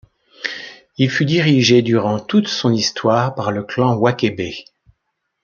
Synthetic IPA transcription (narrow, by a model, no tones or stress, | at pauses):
ilfyd̪iʁiʒed̪yʁɑ̃t̪ut̪sɔ̃nist̪waːʁpaʁləklɑ̃wakʲebe